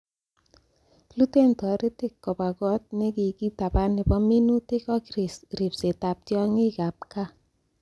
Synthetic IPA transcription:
lu˦te˦˨ntɔ˨ɾi˦tɪ˨kːɔ˨ba˨kɔ˦t̚ne˦ki˨ki˦ta˨ba˦nɪ˨bɔ˦mi˦nu˦te˦kɔ˦kɾi˨sɾi˨pse˨ta˨p̚tjɔ˦ŋɪ˦ka˨p̚ka˦

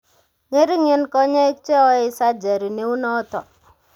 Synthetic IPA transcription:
ŋe˦ɾi˦ŋi˦nkɔ˦ɲe˦e˦kt͡ʃe˦ɔ˦i˨˦sa˦d͡ʒa˨ɾi˨ne˦u˦nɔ˦tɔ˨

